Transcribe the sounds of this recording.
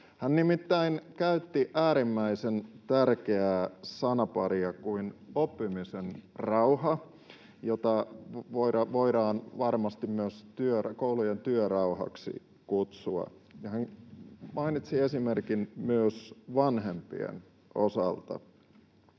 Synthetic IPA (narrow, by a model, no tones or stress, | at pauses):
hænnimit̪ːæinkæyt̪ːiʔæːɾimːæisent̪ærkeæːsɑnɑpɑɾiɑkuinopːimisenrɑuɑ | jot̪ɑʋoiɾɑʋo̞iɾɑːnʋɑrmɑst̪immyøst̪yøkoulujent̪yøɾɑuhɑ̰ksḭ | kut̪suɑ̰ | jɑhæŋmɑinit̪siesime̞rkinmyøsʋɑnɦempḭḛn | osɑ̰lt̪ɑ̰